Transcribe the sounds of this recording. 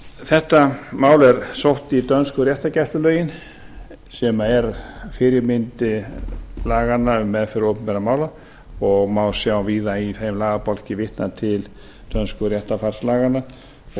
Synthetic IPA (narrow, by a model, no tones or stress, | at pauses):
θɛht̪amaːwlɛɾ̥sowht̪it̪œnskʏɾjɛht̪acɛr̥t̪ʏlœːɥjɪn | sɛmaɛɾfɪɾɪɾmɪnt̪ɪ | laːɣanːamːɛðfɪɾɪɾɔpɪnpɛɾamaːwla | ɔɣmaːwsjawviːðaiθejmlaːɣapɔl̥cɪvɪht̪nat̪ʰɪl | t̪œnskʏɾjɛht̪afar̥slaːɣanːa